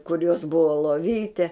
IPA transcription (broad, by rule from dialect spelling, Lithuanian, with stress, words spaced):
kʊr joːs ˈbʊʋoː lˠoːˈʋʲiːtʲɛ